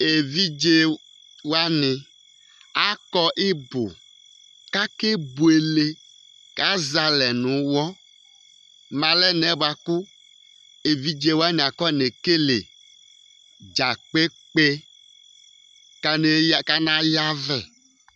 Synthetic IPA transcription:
e˨vi˦d͡ʒe˦ | wa˦nɪ̃˨ | a˦kɔ˦ʔɪ˦bo̰˨ | ka˦ke˦bu˨e˨le˦ | ka˦za˦lɛ˨nũ˨wɔ˦ | mã˨lɛ˦nɛ˨˦ba˨ku˦ | e˨vi˦d͡ʒe˦wa˦nĩ˨a˨kɔ˦ne˨ke˦lḛ˨ | d͡ʒa˨k͡pe˦k͡pe˦ | ka˨ne˨jka˦nã˨ja˦vɛ˨

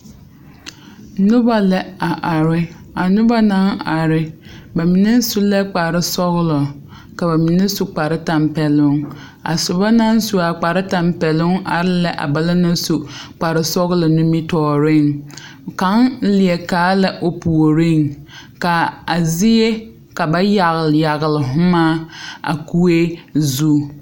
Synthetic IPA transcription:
nʊ˦ba˦lɛ˨a˨ʔa˨ɾɪ˦a˨nʊ˦ba˦na˦ŋa˨ɾɪ˨ba˨mɪ˨nɛ˦sʊ˦lɛ˦k͡pa˨ɾɪ˦sɔ˦ɣʊ˦lɔ˨ | ka˨ba˨mɪ˨nɛ˦su˨k͡pa˨ɾɪ˦ta˨mpɛ˨lʊ˦ŋ | a̰˨sʊ˨ba˦na˦n˦su˨a˨k͡pa˨ɾɪ˦ta˨mpɛ˨lʊ˦ŋʔa̰˨ɾɪ˦la˦ʔa̰˨ba˨la˦na˦su˨k͡pa˨ɾɪ˦sɔ˦ɣʊ˦lɔ˨nʊ˦mi˦tɔː˨ɾɪ˦˨ŋ | ka˦ŋ˦lɪ˨ɛ˨kaː˨˦la˦ʔo˨pu˨o˨ɾɪ˦˨ŋka˨a˨zɪ˦je˦ | ka˨ba˦ja˨ɣlja˨ɣɪ˨lɪ˨ɦʊ˦maː˦a̰˨ku˦e˦zu˦

